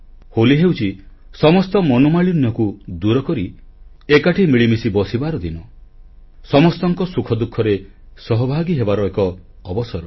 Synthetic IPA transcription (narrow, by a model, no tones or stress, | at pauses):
holiɦewt͡ʃʰi | sɔmɔst̪ɔmɔnomaɭinjɔkud̪uɾɔkɔɾi | ekaʈʰimiɭimisibɔsibaɾɔd̪inɔ | sɔmɔst̪ɔŋkɔsukʰɔd̪ukʰːɔɾe | sɔɦɔbʱaɡiɦebaɾɔekɔː | bɔsɔɾɔ